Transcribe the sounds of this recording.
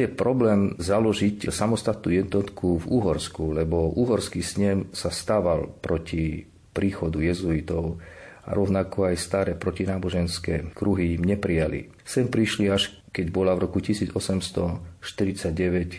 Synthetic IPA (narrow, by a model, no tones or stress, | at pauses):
jɛpɾɔblɛːmzalɔʒicsamɔst̪at̪̚nṵːjɛd̪nɔt̪kʰuvuɦɔɾskulɛbɔʔuɦɔɾskisɲɛmsast̪aːʋalpɾɔci | pɾiːxɔd̪ujɛzuit̪ɔʊa̰ɾɔʊnakɔajst̪aɾɛːpɾɔcinaːbɔʒɛnskɛːkɾuɦiimɲɛpɾijalḭ | sɛmpɾiʃliaʃ | kɛɟbɔlavɾɔkucisiːd͡zɔsɛmst̪ɔʃt̪iɾit͡saɟɟɛʋɛc